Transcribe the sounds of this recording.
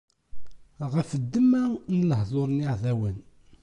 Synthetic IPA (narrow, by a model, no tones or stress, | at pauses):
ʁəfəd̪ːəmænələɦðˤoɾˤəniʕðæwən